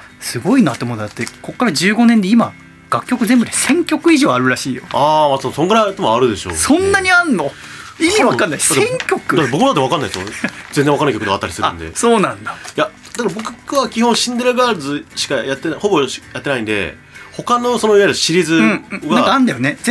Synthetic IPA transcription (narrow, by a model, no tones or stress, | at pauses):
sɨɡo̞inat̪emonod̪at̪ːe̞ko̞kːaɾad͡ʑɨːɡo̞nend̪eima | ɡ̥akʲːo̞kɯzẽmbɯ̟ɾisẽ̞ŋkʲo̞kɯ̟iʑo̞ːaɾɯ̟ɾaɕiːjo̞aːmat̪soŋɡɯɾaɯt̪omoaɾɯ̟d̪e̞ɕo̞̰sõ̞nːaɲ̟ianːo̞ | imiiβakanːaisd̪at̪ːẽŋkʲo̞kɯd̪at̪ːebokɯmad̪at̪ːeakanːaisood͡zend͡zẽakanːkʲokɯd̪eat̪ːaɾisɨɾaɯɯ̰̃nd̪ḛso̞ːnãnd̪aja | d̪akaɾabo̞kɯkɯβakʲihõɰ̃ɕĩnd̪eɾɯɡaːzɨɕi̥kajat̪ːenaho̞bo̞jat̪ːenaĩnd̪e̞̰ | ho̞kano̞so̞noiβaɾɯɕiɾʲizɨ̃ɡãŋkãːnd̪ajo̞ne